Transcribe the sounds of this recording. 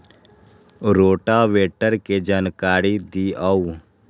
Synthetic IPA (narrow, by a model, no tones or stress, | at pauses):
ɾoːʈaːʋeːʈəɾked͡ʒaːnkaːɾid̪iaːuː